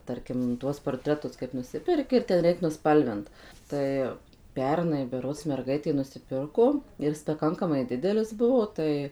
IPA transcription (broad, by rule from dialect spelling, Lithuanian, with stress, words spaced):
ˈtɐrʲkʲɪm ˈtuɔs poːrʲˈtʲrʲæːtʊs kɐɪp ˈnʊsʲɪpʲɛrʲkʲɪ ɪr tʲɛn ˈrʲɛɪk nʊˈspɐlʲʋʲɪnt ˈtɐɪ ˈpʲɛrnɐɪ bʲɛˈroːts mʲɛrˈɡɐɪtʲeː nʊsʲɪˈpʲɪrkoː ɪr ˈɪs pɐˈkɐŋkɐmɐɪ ˈdʲɪdʲɛlʲɪs ˈbʊʋoː tɐɪ